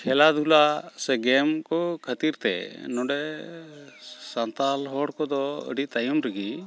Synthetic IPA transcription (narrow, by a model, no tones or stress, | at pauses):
kʰɛlad̪ʱulasɛɡɛmkɔkʰət̪iɾt̪ɛ̰nɔɖɛ | sant̪alɦɔɽkɔd̪ɔə̰ɖit̪ajumɾɛɡi